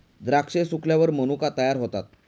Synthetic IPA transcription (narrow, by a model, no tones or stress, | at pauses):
d̪ɾakʂesukljaʋəɾmənukat̪əjaɾɦot̪at̪̚